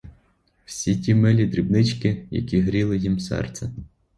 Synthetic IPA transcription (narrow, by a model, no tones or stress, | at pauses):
wsʲitʲimɛlʲid̪ɾʲibnɪt͡ʃkɪjɐ̰kʲiɦɾʲilˠɪjimsɛ̰rt̪sɛ